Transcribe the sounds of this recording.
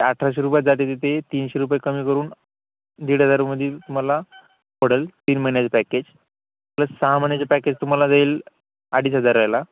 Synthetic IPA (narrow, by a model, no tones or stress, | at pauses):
eaʈʰɾaɕ̬eɾupjad͡zat̪et̪̬it̪ʰet̪iːnɕeɾup̬ajekəmiːkəɾuːn | d̪iːɽ̤ɦəd͡zaɾməd̪ʱiːlt̪um̤ala | pəɽ̤əlt̪iːnməinjat͡səpæked͡ʑ | maləsaɦamənjat͡ɕapæked͡ʑt̪um̤alad͡zaiːl | aɽ̤iːsɦəd͡zaɾːəjla